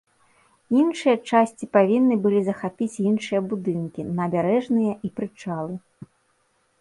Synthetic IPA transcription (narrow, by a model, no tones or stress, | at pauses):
inʂɨjɐt͡ʂasʲt͡sʲipavʲinːɨbɨlʲizɐxapʲit͡sʲinʂɨjɐbud̪ɨnkʲinɐbʲaɾɛʐnɨjɐʔipɾɨt͡ʂalˠɨ